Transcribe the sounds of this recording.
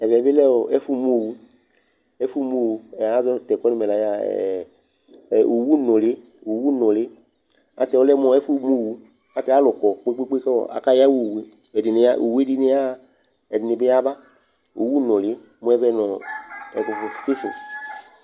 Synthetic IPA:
ɛ˨vɛ˨be˦lɛ˦ɔ˨ɛ˦fu˦m˦o˨wu˨˦ | ɛ˦fu˦m˦o˨wu˨ɛ˨a˦zɔ˦˨tɛ˨kɔ˦ni˦mɛ˨la˨ja̰˦˨ | u˨wu˦nɔ˨lɪ˦ | u˨wu˦nɔ˨lɪ˨˦ | a̰˨tɛ˧˨ɔ˦lɛ˦m˦ɔ˧˦ɛ˦fu˦m˦o˨wu˨ | a˨tɛ˧˦a˦lɔ˨kɔ˨k͡pe˦k͡pe˦k͡pe˦kɛ˦ɔ̰˨a̰˨ka˦ja˦wu˦˨we˦ | ɛ˨di˨nɪ˨˦a˦ʔṵ˨we˦di˦nɪ˦a˦ | ɛ˨dɪ˨nɪ˨bɪ˦a˦ba˦ | ṵ˨wu˦nɔ˨li˨˦ | mu˦ɛ˧˦vɛ˧nɔ˨ɛ˨ku˨fu˨si˦fṵ˨

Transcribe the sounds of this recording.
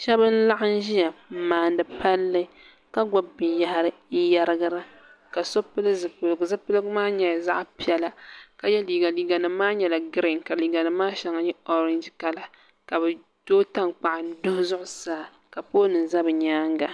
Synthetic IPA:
ʃɛ˦bɨ˦n̩˦la˦ʔa˦n̩˦ʒi˦ja˨maː˨n˦dɨ˨pa˦lːɨ˦ | ka˦ɡɔ˨bːɨ˨ja˦ha˦ɾɨ˦ja˦ɾɨ˦ɡa˦ɾa˦ | ka˨so˦pɨ˦lɨ˦zɨ˨pɨ˨lɡzɨ˦pɨ˦lɨ˦ɡmaː˦ɲɛ˨jza˦ʔpi˦ɛ˦la˦ka˨jɛ˦liː˨ɡa˨liː˦ɡa˨nɨ˨˦mːaː˦ɲɛ˨la˨ɡɨ˦ɾɪ˨ŋka˨liː˨ɡa˨nɨ˦mːaː˦ʃɛ˨˦ŋa˨ɲɛ˦o˦ɾɛ˦nd͡ʒka˨la˨ | ka˨bɨ˨ | doː˦ta˦ŋk͡pa˨ʔɪ˨n˦dʊ˦hʊ˦zʊ˦ʔʊ˨saː˦ | ka˨poː˦nɨ˨n˨za˦bɨ˨ɲaː˦ŋɡa˨

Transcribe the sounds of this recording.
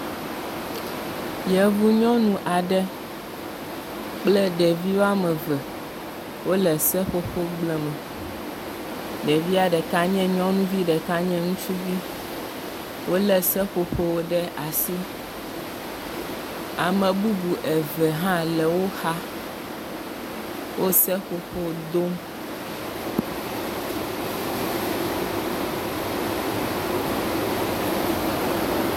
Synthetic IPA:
jɛ˨vu˦ɲɔ̃˦nũ˦ʔa˨ɖɛ˦ | k͡plɛ˦ɖɛ˨vi˦wo˦a˦mɛ̃˨vɛ˨ | wo˦lɛ˨sɛ˦ɸo˦ɸo˦ɡ͡blɛ˨mɛ̃˨ | ɖɛ˨vi˦a˨ɖɛ˨ka˦ɲɛ̃˦ɲɔ̃˦nũ˦vi˦ɖɛ˨ka˦ɲɛ̃˦ŋũ˦t͡ʃu˦vi˦ | wo˦lɛ˨sɛ˦ɸo˨ɸo˦wo˦ɖɛ˦a˨si˦ | a˨mɛ̃˨bu˦bu˨ʔɛ˨vɛ˨ɦã˦lɛ˨wo˦xa˦ | wʔo˦sɛ˦ɸo˨ɸo˦˨d̪o˦m

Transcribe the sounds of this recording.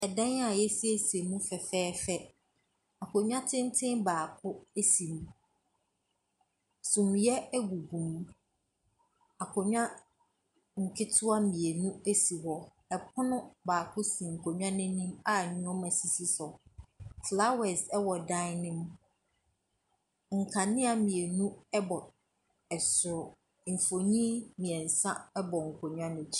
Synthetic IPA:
ɛ˨dã˦na˨jɛ˦si˦æ˦si˨e˨mũ˦fɛ˨fɛː˦fɛ˦ | a˨kʰɔ˨ɲᶣ˦ã˦tʰɪ̃˦n˦tʰɪ̃˦baː˨kʰʊ˦e˦si˨mũ˦ | sũ˨mjɛ˦ɛ˦ɡu˨ɡũ˨mũ˦ | a˨kʰɔ˨ɲᶣã˦ | ŋ̩˨kʰɪ˦tʰʊ˦a˦mĩ˨e˨nũ˦e˦si˨wɔ˨ | ɛ˨pʰʊ˦nʊ̃˦baː˨kʰʊ˦sĩ˨ŋ̩˨kʰɔ˨ɲᶣ˦ã˦nɪ̃˦nĩ˦ma˦˨ɲʊ̃˦ɔ˦mɛ̃˨si˨si˦sɔ˨fla˦wɛ˨sɛ˦wɔ˨dã˦nɪ̃˦m | ŋ̩˨kʰa˨nɪ̃˦a˨mĩ˨e˨nũ˦ɛ˦bɔ˨ | ɛ˨sʊ˨ɾʊ˨ | m̩˨fo˨ɲĩ˦mĩ˨ɛ˨n̩˨sã˦ɛ˦bɔ˨ŋ̩˨kʰɔ˨ɲᶣ˦ã˦nʊ̃˨t͡ɕʰi̥˦˨

